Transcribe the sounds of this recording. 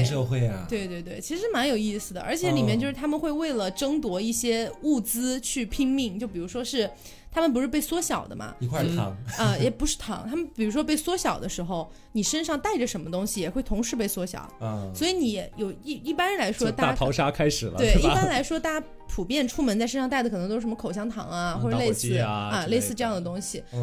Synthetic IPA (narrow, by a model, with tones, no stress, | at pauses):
ʂɤ˥˧xwe˥˩ɪ˩t̪we˥˧ɪt̪we˥˧ɪt̪we˥˩ɪt͡ɕʰi˧˥ʂɻ̩˧˥ɻ̩˥˧ma˧˥njo˨˩ʊi˥˩sɹ̩˨˩d̪ə̰˩ʔə˞˧˥t͡ɕʰjɛ˨˧˥li˨˩mjɛ˥˩˧t͡ɕjo˥˧ʊʂɻ̩ʰ˥˩a˥mə˨nxwe˥˧ɪwe˥˩ɪlə˩ʈ͡ʂɤ˥ŋt̪wɔ˧˥i˥˩ɕjɛ˥u˥˩t͡sɹ̩˥t͡ɕʰy˥˩pʰi˥ŋmi˥˩ŋt͡ɕjo˥˩ʊp̬i˨˩u˧˥ʂwɔ˥ʂɻ̩˥˩ | t̪ʰa˥mə˨np̬ʂɻ̩˥˧p̬e˥˩ɪswɔ˥ɕjɑ˨˩ʊd̪ə̰˦mɐ̰˩˧kʰwa˥˩ɑ̰˧˥ŋə˧jjɛ˨˩pu˧˥ʂɻ̩˥˩t̪ʰɑ̰˧˥ŋt̪ʰa˥mə˨npi˨˩ɻu˧˥ʂwɔ˥p̬e˥˩ɪswɔ˥ɕjɑ˨˩ʊd̪ə˦ʂɻ̩˧˥xo˧ʊ | ni˨˩ʂə˥nʂɑ˥˧ŋt̪a˥˩ɪʈ͡ʂə˩ʂə˧˥nmə˧t̪ʊ˥ŋɕi˨jɛ˨˩xwe˥˩ɪt̪ʰʊ˧˥ŋʂɻ̩˧˥pe˥˩ɪswɔ˥ɕjɑ̰˨˩˦ʊswɔ˧˥i˧˥ni˧˥jɛ˨˩jo˨˩ʊi˥˩i˥˩pa˥nɻə˧˦nla˧˥ɪʂwɔ˥t̪a˥a˥˩tʰɑ˧˥ʊʂa˥kʰa˥ɪʂɻ̩˨˩lə̰˦t̪wɪi˥˩pa˥nla˧˥ɪʂwɔ˥t̪a˥˩ | pʰu˨˩pjɛ˥˩nʈ͡ʂʰu˥mə˧˥nt͡sa˥˩ɪʂə˥nʂt̪a˥˩ɪd̪k̪ʰɤ˧˥ŋt̪o˥˩ʂmə˧kʰo˨˩ʊɕjɑ˥ŋt̪ʰɑ̰˧˥ŋɐ˧xwɔ˥˩ʈ͡ʂə˨˧le˧sɹ̩˥ə˧le˥˧ɪsɹ̩˥˧ʈ͡ʂɤ˥˧jɑ˥˩ŋd̪ə˩t̪ʊ˥ŋɕi˨